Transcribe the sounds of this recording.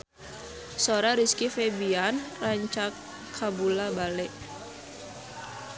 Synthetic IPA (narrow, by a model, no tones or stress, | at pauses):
soɾaɾiskifɛbianraɲt͡ʃakʰː | abulabalɛʔ